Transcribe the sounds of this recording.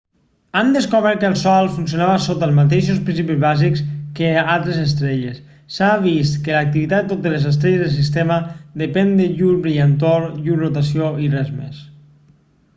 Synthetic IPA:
and̪əskoβɛɾt̪̚kəlˠsɔlˠfunsjonaβasot̪əlzmat̪eʃospɾinsipizβazikskealˠt̪ɾezəs̬t̪ɾeʎesː | aβ̞ist̪kəlak̚t̪iβit̪ad̪et̪ot̪elezəst̪ɾɛʎezðelsis̬t̪eməðəpɛnd̪əʎuɾβɾiant̪oɾʎuɾrot̪asioirɛzmḛs

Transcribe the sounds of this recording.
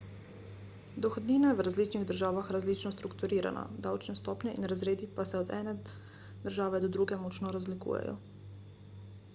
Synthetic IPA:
d̪ɔxɔd̪niːnaɛwɾazliːt͡ʃniɣd̪əɾʒaːʋaxɾazliːt͡ʃnɔst̪ɾukt̪uɾiːɾa̰na̰d̪awt͡ʃnɛst̪ɔːpnʲɛʔinɾazɾeːd̪ipasɛɔd̪ɛ̰ːnɛ | d̪əɾʒaːʋɛd̪ɔd̪ɾuːɡɛmɔt͡ʃnɔɾazlikṵːjɛ̰jɔ̰

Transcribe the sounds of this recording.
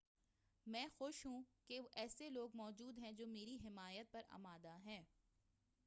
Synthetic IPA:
mɛ̃ːxoʃɦũkeʋoʔɛːseloːɡmɔːd͡ʒuːd̪ɦɛ̃d͡ʒoːmeːɾiɦɪmaːjət̪̚pɐɾa̰maːd̪aɦɛ̃ː

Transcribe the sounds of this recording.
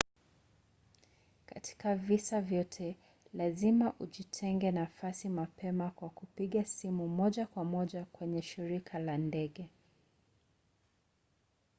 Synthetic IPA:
katʰi̥kavisavjɔtʰɛ | lazimaʔuʄitʰɛŋɡɛnafasimapɛmakwakupiɠasimumɔʄakwamɔʄakwɛɲɛʃiɾikʰalandɛɠɛ

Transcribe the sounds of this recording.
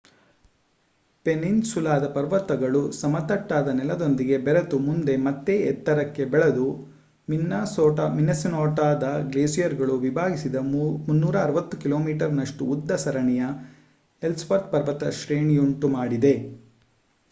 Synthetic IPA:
peninsulaːd̪ɐpɐɾʋɐt̪ːɐɡɐɭusɐmɐt̪ɐʈːaːd̪ɐnɛlɐd̪o̞nd̪iɡe̞bɛɾɐt̪umund̪e̞mɐt̪ːeːt̪ːɐɾɐkːe̞bɛɭɐd̪u | minːasɔːʈaminɐsinɔːʈaːd̪ɐɡleːsijɐɾɡɐɭuʋibʱaːɡisid̪ɐmunːuːɾɐːɾɐʋɐt̪ːukiloːmiːʈɐɾnɐʂʈuːd̪ːɐsɐɾɐɳijɐ | elspɐɾt̪̚pɐɾʋɐt̪ɐʃɾeːɳijuɳʈumaːɽid̪e̞

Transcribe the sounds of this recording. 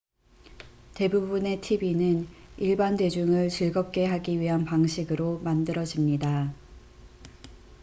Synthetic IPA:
te̞bubune̞tʰibinɯniɭbande̞d͡ʑuŋɯɭt͡ɕɯɭɡʌp̚k͈e̞ɦaɡiɥiɦanpaŋɕʰiɡɯɾomandɯɾʌd͡ʑimɲida

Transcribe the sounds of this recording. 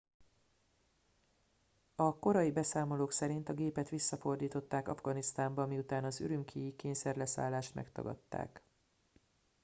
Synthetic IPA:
ɒko̞ɾɒjibɛsaːmo̞loːksɛɾint̪ɒɡeːpɛt̪ʋisːɒfo̞rd̪iːt̪o̞t̪ːaːkɒ̰vɡɒnist̪aːmbɒmiut̪aːnɒzy̰ɾymkʰijikeːɲsɛrlɛsa̰ːlːaːʃt̪mʔɛ̰kt̪ɒ̰ɡɒ̰t̪ːa̰ːk

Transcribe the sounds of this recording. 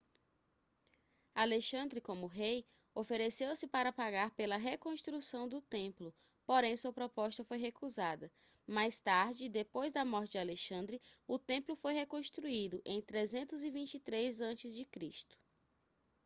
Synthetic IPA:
aleʃɐ̃nd̪ɾɪkõmʊɦej | ofeɾesewsɪpaɾɐpaɡaɾpelɐɦekõst̪ɾusɐ̃w̃d̪ʊt̪ẽmplʊ | poɾẽj̃suɐpɾɔpɔst̪ɐfojɦekuzad̪ɐ | majst̪aɾd͡ʒɪd̪epojzd̪ɐmɔɾt͡ʃɪd͡ʒaleʃɐ̃nd̪ɾɪʊt̪ẽmplʊfojɦekõst̪ɾuid̪ʊʔẽj̃t̪ɾezẽnt̪ʊzivĩt͡ʃit̪ɾezɐ̃t͡ʃɪzd͡ʒɪkɾist̪ʊ̥

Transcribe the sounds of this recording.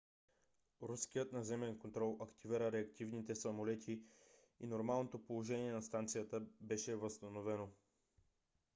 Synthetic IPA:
ɾuskijət̪nɐzɛmɛnkont̪ɾɔlˠɐkt̪iviɾəɾɛɐkt̪ivnit̪ɛsɐmolɛt̪ʰi | inoɾmalˠnot̪opolˠoʒɛniɛnɐst̪ant̪sijət̪əbɛʃɛvəst̪ɐnovɛno

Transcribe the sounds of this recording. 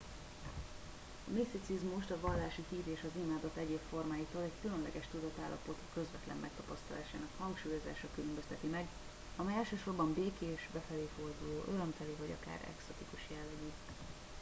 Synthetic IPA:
ɒmist̪it̪sizmuʃt̪ɒvɒlːaːʃihiːɾeːʃɒzimaːd̪o̞t̪ːɛɟeːpfo̞rmaːjiːt̪oːlɛckylønlɛɡɛʃt̪ud̪ɒt̪aːlːɒ̰po̞t̪kø̞zvɛt̪lɛ̰mːɛk̚t̪ɒpɒst̪ɒla̰ːʃaːnɒkhɒŋkʃuːjo̞za̰ːʃɒkylømbøst̪ɛt̪imɛɡ | ɒmɛjɛlʃøːʃo̞rbɒmbeːkeʃbɛfɛleːfo̞rd̪uloːʔøɾømt̪ɛliːvɒɟɒ̰ka̰ːɾɛ̰ksot̪ikuʃjɛlːɛɡi

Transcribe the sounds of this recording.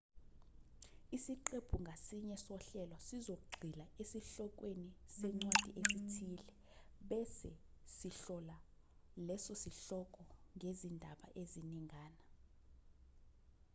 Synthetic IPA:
isiǃeb̥ʱuŋɡʱasiɲɛsɔɬɛlɔsizok̬uɡ͡ǀʱilaesiɬɔk̬ʼwenisɛŋ͡ǀwad̥ʱiʔesitʰiːlɛ | ɓɛsɛsiɬɔla | lɛsɔsiɬɔkʼɔŋʱezindʱaɓa̰ʔeziniŋʱaːna

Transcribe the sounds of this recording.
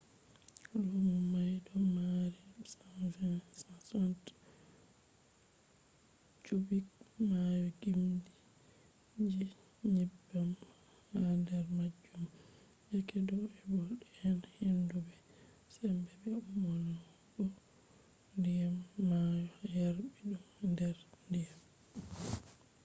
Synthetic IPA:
lɔmumajdɔmaɾisanfɛnsasɔnt | t͡ʃubikmajɔɡimdi | d͡ʒi | ɲibam | handɛɾmad͡ʒːum | jakɛdɔɛbɔɗɛɛnhendubɛ | sɛmbɛbɛumɔn | ɓɔ | ndijamːajɔjaɾɓiɗumndɛɾndijam

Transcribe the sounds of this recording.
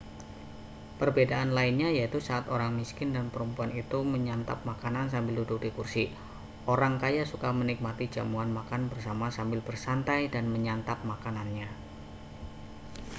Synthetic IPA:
pərbedaʔanlaɪnɲajait̪usaʔat̪oɾaŋmiskɪndanpəɾəmpuanit̪uməɲant̪a̰p̚makanans̬ambɪlduduk̚dikursi | ʔoɾaŋkajasukamənik̚mat̪id͡ʒamuanmakanbərsamasambɪlbərsant̪ajdanməɲant̪ap̚makananɲa

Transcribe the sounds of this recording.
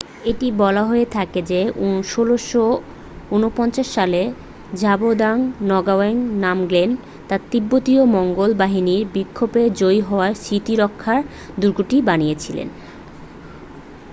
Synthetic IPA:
eʈibɔlaɦoet̪ʰaked͡ʑeuʃoloʃo | unopɔnt͡ɕaʃːale | d͡ʑabod̪aŋnɔɡaeŋnamɡlen | t̪aɾt̪ibːot̪iomɔŋɡolbaɦiniɾbikʰːoped͡ʑojɦɔoaɾsɾit̪iɾɔkʰːaɾ | d̪uɾɡuʈibanijet͡ɕʰilḛn

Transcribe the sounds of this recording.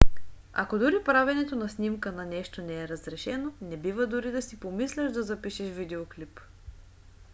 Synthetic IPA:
a̰kod̪ʊɾipɾavɛnɛt̪onɐsnimkənɐnɛʃt̪onɛːɾəzɾɛʃɛnonɛbivəd̪ʊɾid̪ɐsipomislʲəʒd̪ɐzɐpiʃɛʃvid̪ɛoklip

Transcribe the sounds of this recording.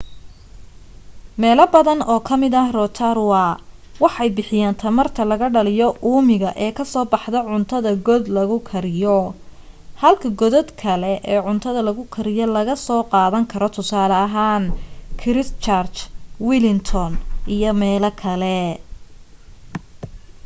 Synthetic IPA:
mɛːlɐbɐðɐnɔːkʰɐmɪðɐhrɔt̪ʰɐɾwɑ | wɑħɑjbɪħɪjaːnt̪ʰɐmɐrt̪ʰɐlɐɣɐɖɐlɪjɔʔuːmɪɣɐʔɛːkʰɐsɔːbɑħd̪ɐʕʊnt̪ʰɐðɐɡɔd̪lɐɣʊkʰɐɾɪjɔ | hɐlkʰɐɡɔðɔd̪kʰɐlɛʔɛːʕʊnt̪ʰɐðɐlɐɣʊkʰɐɾɪjɔlɐɣɐsɔːqɑːðɐŋkʰɐɾɔt̪ʰʊsaːlɐɐɦaːnkʰɪɾɪst͡ʃart͡ʃwɪlɪnt̪ʰɔnijɔmɛːlɐkʰɐlɛ

